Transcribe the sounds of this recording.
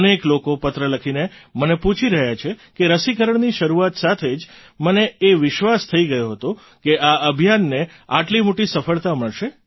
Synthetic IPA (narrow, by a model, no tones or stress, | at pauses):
neklokopət̪ɾələkʰinemənepũt͡ʃʰiɾəɦjat͡ʃʰekeɾəsikəɾəɳniʃəɾuat̪sat̪ʰed͡ʒ | məneːʋɪʃʋast̪ʰəiɡəjoɦət̪o | keaəbʱjanːe | aʈlimoʈisəfəɭt̪aməɭʃe